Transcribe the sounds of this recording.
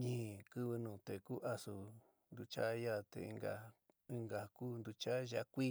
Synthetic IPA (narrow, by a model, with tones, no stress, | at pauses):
ɲĩ˦˨kɨ˦βɨ˧nũ˨t̪e˨ku˦ʔa˧su˧ | nd̪u˧t͡ʃa̰˦ja˦˨t̪ḛ˨ḭ˧ŋɡa̰˨ | i˦ŋɡa˨kuː˦nd̪u˧t͡ʃa˦ʒa˧kʷi˦